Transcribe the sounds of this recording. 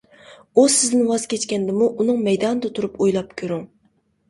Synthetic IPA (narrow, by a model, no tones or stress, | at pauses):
usɪzd̪ɪnwɑz̥kʲʰɛt͡ʃkʲɛnd̪ɪmuʔunɨŋmɛjd̪ɑnɨd̪ɛt̪ʰuɾupojlˠɑp̚kʲʰøɾyŋ